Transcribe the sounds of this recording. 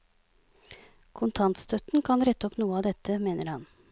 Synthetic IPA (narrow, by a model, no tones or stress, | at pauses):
kʰʊnt̪ʰɑnt̪st̪ʰœt̪n̩kʰɑnɾɛt̪ːəɔpnuːəɑːd̪ɛt̪əmeːnəɾhɑn